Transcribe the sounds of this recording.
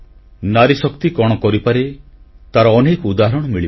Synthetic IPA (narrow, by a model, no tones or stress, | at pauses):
naɾisɔkt̪ikɔɽ̃ɔkɔɾipaɾet̪aɾɔːnekɔud̪aɦɾɔɽ̃ɔmiɭi